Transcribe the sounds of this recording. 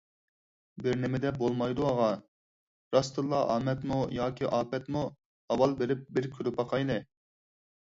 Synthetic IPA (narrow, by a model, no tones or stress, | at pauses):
bɪɾnɪmɪd̪ɛbolˠmɑjd̪uɑʁɑ | ɾɑst̪ɨlˠːɑʔɑ̰ːmɛt̪mujɑːkʲʰiʔɑːpɛt̪mu | ɑwɑlˠbeɾɪp̚bɪɾkʲʰyɾupɑqʰɑjnɨ